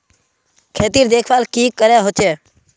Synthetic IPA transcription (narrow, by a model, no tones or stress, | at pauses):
kʰeːt̪iːɾd̪eːkʰʋaːlkiːkəɾeːɦot͡ʃʰeː